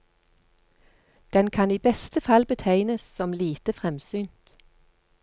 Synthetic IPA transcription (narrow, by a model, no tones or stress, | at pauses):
d̪̥ɛnkʰɑniːbɛst̪əfɑlbət̪ʰæɪnəssɔmliːt̪əfʁɛmsyːnt̪